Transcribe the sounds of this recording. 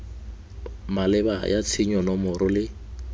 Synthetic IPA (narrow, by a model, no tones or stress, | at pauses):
malɛbajʔat͡sʰɪɲɔnɔmʊɾʊlɪ